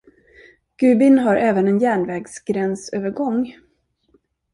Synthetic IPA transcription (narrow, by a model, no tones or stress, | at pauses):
ɡ̥ʉ̟ːbɪnɦaɾʔɛːvənɛnjæːɳvɛːɡsɡɾɛnsøːvəɾɡɔŋː